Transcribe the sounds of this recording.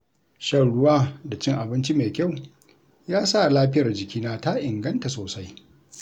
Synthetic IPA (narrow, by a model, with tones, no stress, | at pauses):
ʃɐ˦˨ɽʊ˦waː˦da˨t͡ʃɪ˦ŋʔa˨bɪ˦nt͡ʃi˦meː˨kʲa˦˨w | jaː˦sa˦˨laː˦ɸɪ˦jɐ˨rd͡ʒɪ˨kʲiː˦naː˦ta˦ʔɪ˨ŋɡɐ˦nta˨soː˨sa˦j